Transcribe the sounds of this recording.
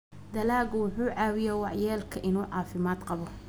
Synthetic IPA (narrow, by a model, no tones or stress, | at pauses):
d̪ɐlaːɣʊwʊħuːʕɑːwɪjɛwɑʕjɛːlkʰɐʔɪnuːʕɑːfɪmaːd̪qɑβɔ